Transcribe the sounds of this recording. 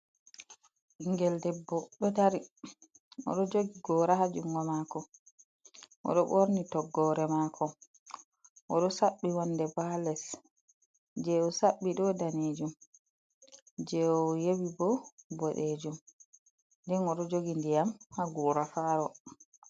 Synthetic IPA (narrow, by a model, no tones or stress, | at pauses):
ʔiŋɡɛldɛbːɔɗɔtaɾi | ɔ̰ɗɔd͡ʒoɡiɡɔːɾahad͡ʒuŋɡɔmakɔ | ʔɔ̰ɗɔɓoɾnitɔɡːɔɾɛmakʰɔ | ʔɔɗɔsaɓːiwɔnːdɛbalɛs | d͡ʒɛɔsaɓːiɗɔdaned͡ʒum | d͡ʒɛɔjewibɔbɔɗed͡ʒum | dɛnɔɗɔd͡ʒoɡindijamhaɡuɾafaɾɔ